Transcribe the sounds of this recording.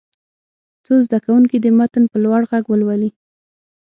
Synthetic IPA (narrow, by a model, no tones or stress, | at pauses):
t͡sozd̪akawuŋkid̪əmat̪ənpəlwaɽɣaɡwəlwali